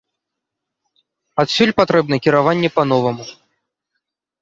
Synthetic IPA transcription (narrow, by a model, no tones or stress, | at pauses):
at̪sʲulʲpat̪ɾɛb̚nɐkʲiɾavanʲːɛpanɔvɐmu